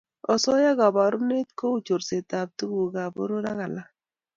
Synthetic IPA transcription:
ɔ˨sɔ˦ja˦ɣa˨ba˨ɾu˦ne˦t̚ko˦u˦t͡ʃo˨ɾse˨ta˨p̚tu˦ɡu˨ɡa˨bo̰˦ɾo˦ɾa˦ɣa˨la˦

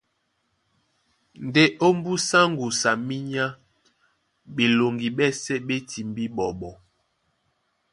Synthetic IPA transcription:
n˨de˦ʔo˦m˦bu˦sa˦ŋ˦ɡu˨sa˨mi˦ɲa˦ | ɓe˨lo˨ŋɡi˨ɓɛ˦sɛ˦ɓe˦tʰi˨m˦bi˦ɓɔ˨ɓɔ˨

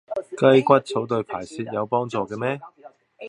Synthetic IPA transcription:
kɐ˥jkʷɐ˥t̚t͡sʰo˨˥wt̪ɵ˧ɥpʰaː˨˩jsiː˧t̚jɐ˨˧wpɔː˥ŋt͡sɔː˨˧kɛː˧mɛː˥

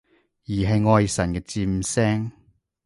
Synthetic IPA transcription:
jiː˨˩ɦɐ˨jŋɔː˧jsɐ˨˩nkɛː˧t͡siː˧m˧sɛː˥ŋ

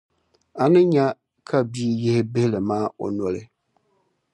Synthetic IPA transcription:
a˨nɨ˦ɲa˦ | kʰa˦bi˦i˦jɪ˦hɪ˦bɪ˦hɪ˦lɨ˨maː˦o̰˨nɔ˨lɨ˨˦

